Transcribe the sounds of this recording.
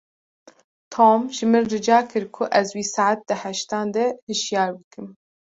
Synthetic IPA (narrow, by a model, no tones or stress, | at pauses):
t̪ʰoːmʒɨmɨrːɨd͡ʒɑːkʰɨɾkʰʊʔɛzwiːsaʕat̪̚d̪ɨhæʃt̪ɑːnd̪ɛhɨʃjɑːɾbɨkɨm